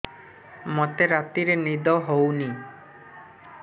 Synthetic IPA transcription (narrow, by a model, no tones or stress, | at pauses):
mot̪eɾat̪iɾenid̪ɔɦowni